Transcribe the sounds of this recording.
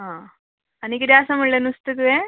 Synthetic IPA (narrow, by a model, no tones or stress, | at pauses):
aː | ɐnikʲːiɾjaːsɐmuɭːenust̪ɨkɨe